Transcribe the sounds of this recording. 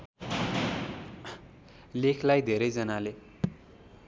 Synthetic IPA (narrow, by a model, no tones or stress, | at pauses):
lekʰlajd̪ʱeɾejd͡zʌnale